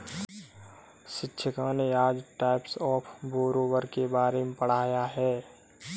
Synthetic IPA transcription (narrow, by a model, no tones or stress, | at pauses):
ʃɪtːʃʰəkãneaːd͡ʒʈaːɪpsɔːpʰboːɾoːwəɾkebaːɾemepəɽ̤aːjaɦɛː